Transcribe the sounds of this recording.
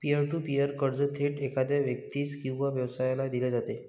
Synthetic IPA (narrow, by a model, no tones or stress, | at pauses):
piəɾʈupiəɾkəɽd͡zət̪ʰeʈekad̪jaʋjək̚t̪iːt͡skĩw̃ʋaʋjəʋsajlad̪iled͡zat̪e